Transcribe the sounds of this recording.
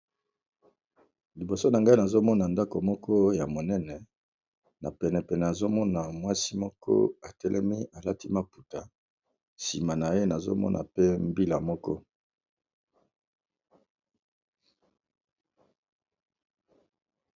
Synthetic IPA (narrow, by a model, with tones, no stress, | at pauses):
li˨bo˨so˦na˨ŋɡa˦i˦na˨zo˦mɔ˦na˨nda˦ko˨mɔ˦kʰɔ˦ja˨mo˨nɛ˦nɛ˨ | na˨pɛ˨nɛ˨pɛ˨nɛ˨a˨zo˦mɔ˦na˨mwa˦si˦mɔ˦kʰɔ̰˦a˨tɛ˦lʔɛ̰˦mi˦a˨la˦ti˦ma˨pu˨ta˨ | si˨ma˨na˨je˦na˨zo̰˦mɔ̰˦nʔa̰˨pe˦mbi˦la˨mɔ˦kɔ̰˦